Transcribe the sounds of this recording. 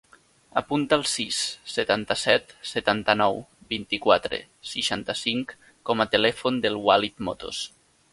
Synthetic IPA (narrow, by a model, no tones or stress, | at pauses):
apunt̪aːlˠsisːet̪ant̪əsɛt̪set̪ant̪ənɔwbint̪ikwat̪ɾḛ | siʃant̪əsiŋk | kːɔmət̪elɛfond̪əlˠwalit̪mo̰t̪o̰s